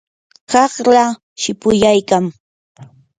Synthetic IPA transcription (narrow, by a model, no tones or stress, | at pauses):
kɑχla | ʃɪpʊjajkaŋ